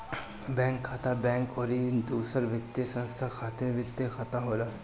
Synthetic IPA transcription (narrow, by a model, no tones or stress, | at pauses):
bɛ̃ːŋkʰːaːt̪abɛ̃ːŋkɔːɾid̪uːsəɾʋɪt̪ːjəsə̃nst̪ʰakʰaːt̪eʋɪt̪jekʰat̪aɦoːlaː